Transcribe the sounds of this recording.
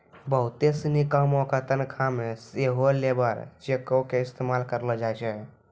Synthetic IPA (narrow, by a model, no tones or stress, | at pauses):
bəɦut̪esnikəmokət̪ənkʰameseɦolebəɾt͡ʃekəkeist̪emalkəɾləd͡ʒajt͡ʃʰɛ